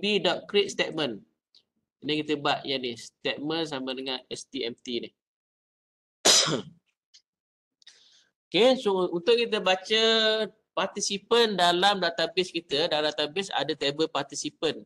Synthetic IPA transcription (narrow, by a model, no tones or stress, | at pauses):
bidɔʔkɾiʔ̪̚st̪eʔ̪̚mən | nikit̪əbaʔjanist̪ɛt̪̚məns̬amədəŋanɛst̪iɛmt̪inɪh | okesʊunt̪ʊʔ̚kit̪̬əbat͡ʃə | part̪isipəndalamdat̪abɪskit̪ədamdat̪abɪsa̰dət̪ebəlpart̪isipən